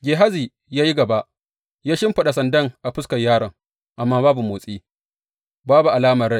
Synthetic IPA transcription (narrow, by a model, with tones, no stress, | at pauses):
ɡʲeː˨ɦa˦ziː˨ | jaː˦ji˦ɡɐ˨ba˦ʔ | jaː˦ʃɪ˦mɸɐ˨ɗa˨sɐ˨ndɐ˦ŋʔa˨ɸʊ˦skɐ˨jːaː˦ɽɐ˨ŋ | ʔa˨mːaː˦baː˦bu˨moː˨sʼiː˦ | baː˦bu˨ʔa˨laː˦mɐ˨rɽa˦j